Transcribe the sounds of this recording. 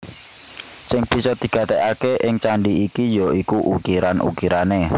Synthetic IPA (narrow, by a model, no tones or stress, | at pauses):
sɪŋb̥isɔd̪̥i̤ɡ̥ä̤t̪ekakeʔɪŋt͡ʃaɳɖiikijɔikuʔukiɾanʔṵkiɾane